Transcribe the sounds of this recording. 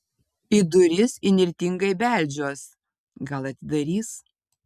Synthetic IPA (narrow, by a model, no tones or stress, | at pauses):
ɪd̪ʊɾʲɪsɪnʲɪɾʲt̪ʲɪŋɡɐɪbʲæˑlʲd͡ʒʲoːs | ɡɐlˠɐt̪ʲɪd̪ɐɾʲiːs